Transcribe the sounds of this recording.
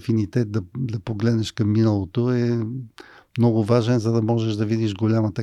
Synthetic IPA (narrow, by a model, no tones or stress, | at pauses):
finit̪ɛt̪̚d̪ɐd̪ɐpoɡlɛd̪nɛʃkɐmːinəlˠot̪oɛ | mnɔɡʊvaʒɛnzɐd̪ɐmɔʒɛʃd̪ɐvid̪iʒɡolʲamət̪ɐ